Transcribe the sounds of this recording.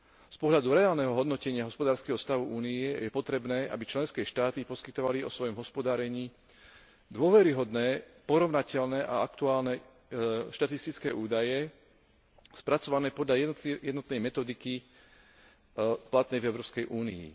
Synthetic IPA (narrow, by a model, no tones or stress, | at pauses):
spɔɦʎad̪uɾɛaːlnɛɦɔɦɔd̪nɔcɛɲɪaɦɔspɔd̪aːɾskɛɦɔst̪aʋuʔuːnijɛjɛpɔt̪ɾɛbnɛːʔa̰bit͡ʃlɛnskɛːʃt̪aːt̪ipɔskit̪ɔʋaliɔsʋɔjɔmɦɔspɔd̪aːɾɛɲiː | d̪ʊɔʋɛɾiɦɔd̪nɛːpɔɾɔʋnacɛʎnɛːʔaakt̪uaːlnɛ | ʃt̪at̪ist̪it͡skɛːʔuːd̪ajɛ | spɾat͡sɔʋanɛːpɔd̪ʎajɛd̪nɔt̪nɛjmɛt̪ɔd̪iki | plat̪nɛjvɛʊɾɔːpskɛjʔuːnḭḭ